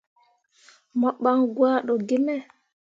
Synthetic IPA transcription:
mɔɓːanɡwaːɗɔɡimɛ

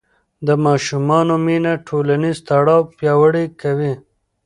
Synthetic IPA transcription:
d̪əmɑːʃumɑːnominaʈʰoːlanizt̪ɐɽɑːwpjɑːwəɽikɐwi

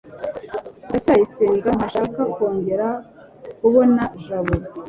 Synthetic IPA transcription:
dacaːjisiːŋɡaŋaʃaːkako̞ːɲɡe̞ɾa | kuβo̞naʒaβuɾ

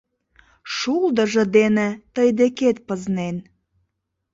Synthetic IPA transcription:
ʃuld̪əʒəd̪enet̪əjd̪eket̪̚pəznen

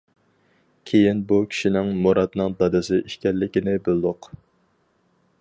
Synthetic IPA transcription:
kʲʰejinbukʲʰi̥ʃinɪŋmoɾɑd̪nɨŋd̪ɑd̪ɨsɪʔiʃkʲɛlːɪkʲɪnɪbølˠd̪ʊq

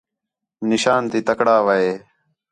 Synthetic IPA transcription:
nɪʃaːnt̪iːt̪əkɽaːʋəeː

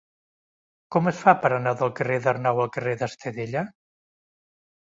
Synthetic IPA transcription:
kɔməsfapəɾənaðəlˠkəreðərnawəlˠkəreðəst̪əðeʎə

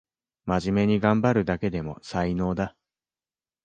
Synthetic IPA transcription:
maʑime̞ɲ̟iɡãmbaɾɯ̟d̪ake̞d̪e̞mo̞̰saino̞ːd̪a

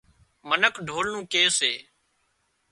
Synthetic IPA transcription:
mənəkʰɖʱoːlnũːkeːseː

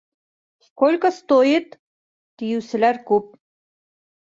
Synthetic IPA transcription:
kolʲkə̆st̪ojit̪ː | ijɘwsɘ̆læɾkʉp̚

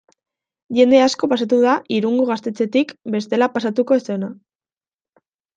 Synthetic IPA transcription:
ʝe̞nd̪e̞asko̞pasat̪uðaiɾuŋɡoɣast̪e̞t͡se̞t̪ikbe̞st̪e̞lapasat̪uko̞ese̞na

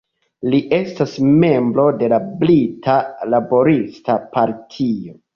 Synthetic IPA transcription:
liʔe̞stasme̞mbɾo̞de̞lablitʰalabo̞ɾistapaɾtʰio̞

